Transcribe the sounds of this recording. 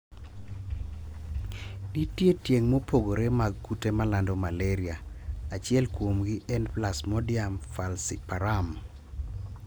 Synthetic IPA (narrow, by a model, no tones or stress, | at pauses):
ditjetjeŋmopoɡoɾemaɡːutemalandɔmalɛɾiaat͡ʃɪɛlkwomɡɪʔɛnplasmɔdɪamfalsipaɾam